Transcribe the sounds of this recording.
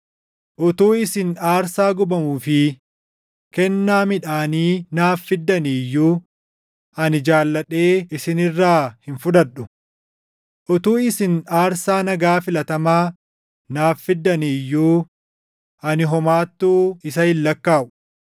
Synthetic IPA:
ʔʊt̪uːɪsɪnaːɾsaːɡʊbɐmuːfɪ | kɛnːaːmɪᶑaːniːnaːfːɪd̪ːɐnɪjːuː | ʔɐnɪd͡ʒaːlːɐᶑe̞ːɪsɪnɪrːaːhɪnfʊᶑ̪ɐᶑʊ | ʔʊt̪uːɪsɪnaːɾsaːnɐɡaːfɪlɐt̪ɐmaː | naːfːɪd̪ːɐnijːuː | ʔɐnɪɦɔmaːt̪ːuːɪsɐhɪlːɐkːaːʔʊ̥

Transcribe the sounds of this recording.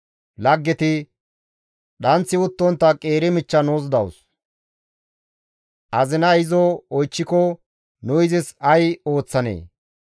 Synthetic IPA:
lɐɡːɛt̪ɪ | ɗɐnt͡sːɪʊt̪ːɔnt̪ːɐkʼe̞ːɾɪmɪt͡ʃːɐnoːsd̪ɐ̰ws | ʔɐzɪnɐɪzɔɔjt͡ʃːɪkɔ | nʊjzɪsɐjo̞ːt͡sːɐnḛː

